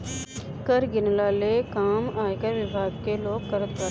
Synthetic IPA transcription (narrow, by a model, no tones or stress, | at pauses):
kəɾɡɪnlaːlekaːmaːjkəʋɪbʱaːɡkeloːɡ̚kəɾət̪bə